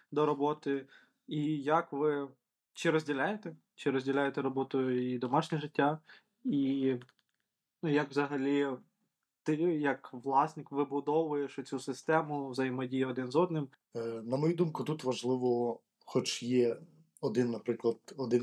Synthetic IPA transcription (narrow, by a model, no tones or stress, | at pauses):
d̪ɔɾɔbɔt̪ɪ | ijɐkʋɪ | t͡ʃɪɾɔzʲdʲilʲajet̪ɛ | t͡ʃɪɾɔzʲdʲilʲajet̪ɛɾɔbɔt̪ʊjʊid̪ɔmɑʃnʲɛʒɪtʲːa | i | jɐkʋzɐɦɐlʲi | t̪ɪjɐkʋlˠɑsʲnɪkʋɪbʊd̪ɔʋʊjeʃɔt͡sʲusɪst̪ɛmʊʋzɐjɪmɔdʲijɐɔd̪ɪnzɔd̪nɪm | nɐmɔjud̪umkʊt̪ut̪ʋɐʒlˠɪʋɔ | xɔt͡ʃjɛ | ɔd̪ɪnːɐpɾɪklˠɐd̪ɔd̪ɪn